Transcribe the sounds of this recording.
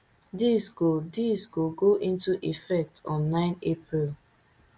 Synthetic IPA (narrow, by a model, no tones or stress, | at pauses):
disɡodisɡoɡoʔĩntuʔifɛk̚tɔ̃nːãɪ̃nepɾil